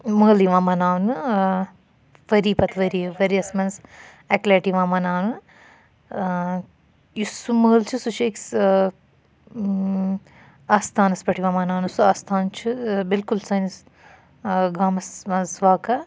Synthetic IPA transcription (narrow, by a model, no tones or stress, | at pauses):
məːliʋãːmɐnaːʋnɨ | ʋɐɾiːpɐt̪ʰʋɐɾiʋɐɾiɐsmɐns | ɐkleːʈiʋaːmɐnaːʋnɨ | jusuməːlt͡ʃʰɨsut͡ʃʰeks | aːst̪ʰaːnɐsbɐʈʰiʋaːmɐnaːnɨsuaːst̪ʰaːnt͡ʃʰɨbilkulsɐnis | ɡaːmɐsɐsʋaːkɐ